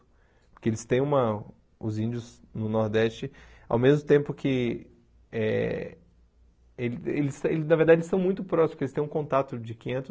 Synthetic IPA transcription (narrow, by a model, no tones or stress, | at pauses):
pʊɾkeelɪst̪ẽj̃ũmɐ | ʊ̰zĩnd͡ʒʊz | nʊnɔɾd̪ɛst͡ʃɪa̰wmezmʊt̪ẽmpʊkʰɪ | ɛ | elelɪselɪznɐveɾd̪ad͡ʒeɪsɐ̃w̃mũj̃t̪ʊpɾɔsispkelɪst̪ẽũkõnt̪at̪ʊd͡ʒɪkĩɲẽnt̪ʊ